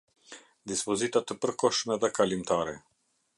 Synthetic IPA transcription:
d̪ispɔzit̪at̪əpəɾkɔʃmɛðɛkalimt̪ʰaːɾɛ

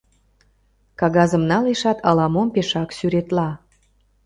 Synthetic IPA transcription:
kɑɣɑzə̆mnɑleʃɑt̪ʰɑlɑmompeʃɑksyɾet̪lɑ

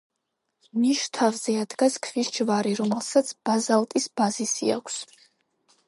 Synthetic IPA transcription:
niʃt̪ʰavzɛad̪ɡaskʰvisd͡ʒvaɾiɾɔmɛlˠsat̪sʰb̥azalˠt̪ʼisb̥azisia̰kʷʰs

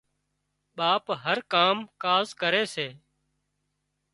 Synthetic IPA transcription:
ɓaːpɦəɾkaːmkaːzkəɾeːseː

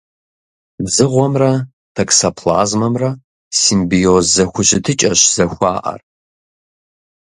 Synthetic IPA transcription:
zɨʁʷɔmrɐ | tʰɐksɐpʰla̰ːzmɐmrɐ | simbiozzɐxʷʊɕɪtʰɨt͡ʃʼɐɕz̥ɐxʷaːʔɐ̰r

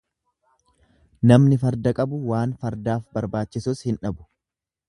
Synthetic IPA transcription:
nɐmnɪfɐɾd̪ɐkʼɐbʊwaːnfɐɾd̪aːfbɐɾbaːt͡ʃːɪsʊshɪnᶑɐbʊ̥

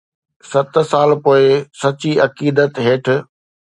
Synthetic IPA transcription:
sɐt̪saːlpoːɪsɐt͡ɕiɐkiːd̪ət̪ɦeːʈ̆ʰ

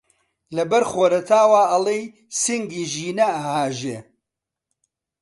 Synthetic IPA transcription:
lɐbɐɾxoːɾɐt̪ʰaːwaːɐlˠej | siŋɡiːʒiːnɐɐhaːʒeː

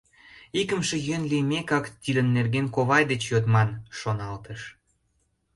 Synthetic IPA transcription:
ikəmʃĕjønlijmekɑkt̪id̪ənːerɡenkoβɑjd̪et͡ɕjot̪mɑnʃonɑlt̪əʃ

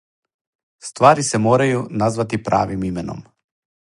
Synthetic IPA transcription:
st̪ʋaːɾisemoːɾajunazʋat̪ipɾa̰ːʋimimeno̰m

